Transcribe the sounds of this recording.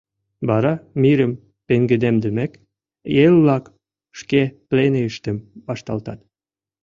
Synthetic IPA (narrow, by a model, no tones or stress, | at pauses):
βɑɾɑmiɾəm | peŋɡəd̪emd̪əmek | jelβlɑk | ʃkepleneəʃt̪ə̆mbɑʃt̪ɑlt̪ɑt̪̚